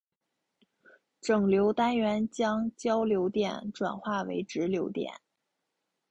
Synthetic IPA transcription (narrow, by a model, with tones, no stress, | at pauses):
ʈ͡ʂɤ˨˩ŋljo˧˥ʊt̪a˥nɥɛ˧˥nt͡ɕjɑ˥ŋt͡ɕjɑ˥ʊljo˧˥ʊt̪jɛ̰˨˩nʈ͡ʂwa˨˩nxwa˥˩wḛ˧˥ɪʈ͡ʂɻ̩˧˥ljo˧˥ʊt̪jɛ̰˨˩˦n